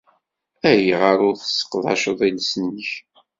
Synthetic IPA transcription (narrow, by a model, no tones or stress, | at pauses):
æɾjəʁəɾʊɾθə̥sə̥qːðˤɑ̰ʃəðˤilsənːəç